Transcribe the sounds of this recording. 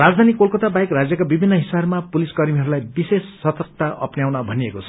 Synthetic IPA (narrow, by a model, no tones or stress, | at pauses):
rad͡zd̪ʱanikolkʌt̪abajkrad͡zjʌkabibʱinːʌɦisabmapuliskʌrmiɦʌɾulajbisesːʌt̪ʌrk̚t̪aʔʌ̰pnjawnʌbʱʌniekot͡sʰʌ̥